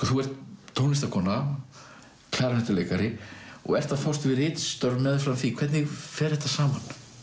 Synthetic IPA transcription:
ɔθuɛɾ̥t̪ʰːownɪst̪akʰɔːna | kʰl̥aːɾanɛht̪ʏlejkaɾɪɔ̰ɣɛr̥t̪afawst̪vɪɾɪːt̪st̪œɾmɛðfɾamθikʰv̥ɛt̪njɪɣfɛːɾ̥hɛht̪ːasaːman

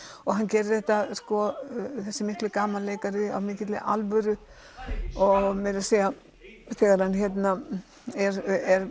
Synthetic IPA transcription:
ɔɣɦancɛːɾɪθɛht̪askɔθɛsːɪmɪhk̪lʏkaːmalleːjkaɾɪa̰wmɪːcɪt̪lɪ̰ʔa̰lvœɾʏ | ɔɣmɛɾaseːja | θɛːɣaɾ̥hançjɛt̪na | ɛɾɛɾ

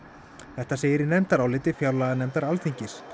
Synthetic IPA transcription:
θɛht̪aseːjɪɾɪnɛmt̪aɾawlɪːt̪ɪfjawlaɣanɛmt̪aɾalt̪ʰiɲcɪs

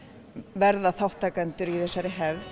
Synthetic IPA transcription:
vɛɾðaθawht̪ʰaːkant̪ʏɾiθɛsːaɾɪɦɛv

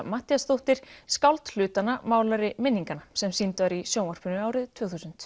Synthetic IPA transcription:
maːt̪ijasθowht̪ɪɾ̥skawlt̪l̥ʏːt̪anamaːwlaɾɪmɪnːiŋkanasɛmsint̪vaɾisjoːwnar̥pʏnʏaːwɾɪðt̪ʰv̥œːθusʏnt̪

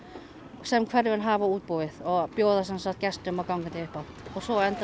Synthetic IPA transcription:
sɛmkʰvɛɾvɪnɦaːvauːt̪̚puwvɪθɔɣpjoːwðasɛnsaht̪̚cɛst̪ʏmakawŋkant̪ɪʏhpa | ɔɣsɔɛnt̪

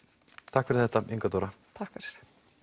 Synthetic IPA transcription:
t̪ʰakfɪɾθɛht̪ːaiŋkat̪uɾat̪ʰakfɾ

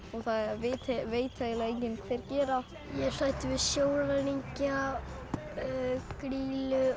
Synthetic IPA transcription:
ɔɣθaðɛvɪt̪ʰɛveːjt̪ʰaðɛlaejɲcɪnkʰθejɾcɛːɾa | jɛsajht̪ɪvɪðsjoːwlaniɲca | kɾiːlʏ

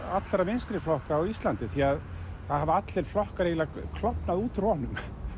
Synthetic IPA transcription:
at̪laɾavɪnst̪ɾɪflɔhkaːwist̪lant̪ɪθiað | θaðhavɪat̪lɛɾ̥flɔhkaɾeːjlakʰlɔpnaðuːt̪rɔnʏm

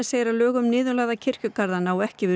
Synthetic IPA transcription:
seːjɪɾalœːɣʏmnɪːðʏlaːðacʰɪr̥cʏkaɾðanaːwɛhcɪvɪ

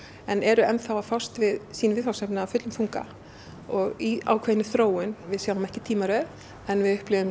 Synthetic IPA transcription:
ɛnɛɾʏɛnθawafawst̪vɪðsiːnvɪðfawsɛpnɪaːwfʏt̪lʏmfuŋka̰ | ɔɣia̰ːwkʰveːjnːɪθɾoːwʏnvɪðsjaːwamɛhcɪt̪ʰiːmaɾœ | ɛnvɪðʏhplɪvʏm

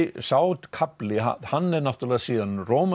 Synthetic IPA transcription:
saːwt̪kʰaplɪɦa̰hanːɛɾnaht̪ʏɾlɛːɣasiːðanroːwma

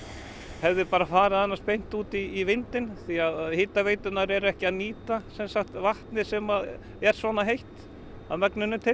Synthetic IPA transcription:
hɛvðɪpaːɾafaːɾɪðanːaspejn̥t̪uːt̪iːvɪnt̪ɪnθiaðaðhɪːt̪avejt̪ʏnaɾɛɾɛhcɪaðniːt̪asɛnsaxt̪vaht̪nɪsɛmað | ɛɾ̥svɔːnaɦejht̪ | a̰ðmɛknʏnːɪt̪ʰɪ

